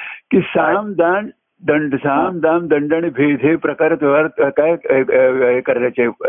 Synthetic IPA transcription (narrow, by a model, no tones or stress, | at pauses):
kisamd̪aːn | d̪əɳɖsaːmd̪aːmd̪əɳɖaɳ̃ibʱeːd̪ʱepɾɐkaːɾet̪eʋaɾkaj | ekɐɾlat͡ɕe